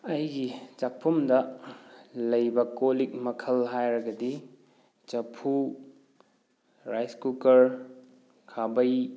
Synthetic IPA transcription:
ɐjɡit͡ʃak̚pʰumdɐ | lɐjbɐkolik̚mɐkʰɐlɦajɾɐɡɐdi | t͡ʃɐpʰu | ɾajskukɐɾ | kʰabɐj

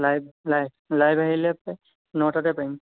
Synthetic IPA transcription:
lajblajb̚lajbʱaɦilɛpa | nɔwtatɛpaim

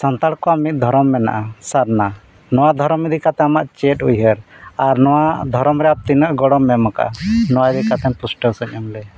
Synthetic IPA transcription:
sant̪aɽkɔamit̪̚ˀd̪ʱɔɾɔmːɛna̰ʔasaɾna | nɔwad̪ʱɔɾɔmid̪ikat̪ɛamaʔt͡ʃɛʈujɦəɾaɾnɔwad̪ʱɔɾɔmɾɛap̚t̪inəʔɡɔɽɔmːɛmaka̰nɔwaid̪ikat̪ɛnpusʈəsəɲɔmlɛ

